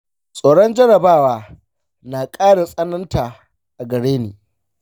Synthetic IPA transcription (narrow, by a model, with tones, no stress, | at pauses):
sʼoː˨ɽɔ˦nd͡ʒɐ˦ɽɐ˨baː˦waː˦ | naː˨kʼaː˦ɽa˨sʼɐ˦nɐ˦ntaː˨ | ʔa˨ɡɐ˨ɽeː˦neː˨